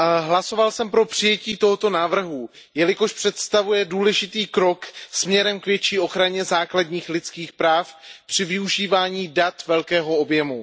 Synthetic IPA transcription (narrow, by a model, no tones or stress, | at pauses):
ɦlaso̞valsɛmpɾo̞pr̥ɪjɛciːt̪o̞ɦot̪o̞naːvr̩ɦu | jɛlɪko̞ʃpr̝̥ɛt̪st̪avujɛduːlɛʒɪt̪iːkɾo̞ksmɲɛɾɛmkvjɛt͡ʃiːo̞xɾaɲɛzaːkladɲiːxlɪt̪t͡skiːxpɾaːfpr̥ɪvɪuʒiːvaːɲiːdat̪vɛlkɛːɦo̞objɛmu